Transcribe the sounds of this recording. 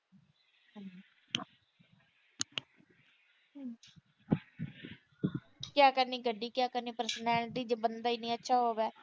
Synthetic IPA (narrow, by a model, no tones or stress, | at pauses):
ɦə̃iː | kɪjaːkəɾniːɡəɖːiːkɪjaːkəɾniːpəɾsnɛːlʈiːd͡ʒbənd̪aːiːnĩːətːʃʰaːɦoːʋɛː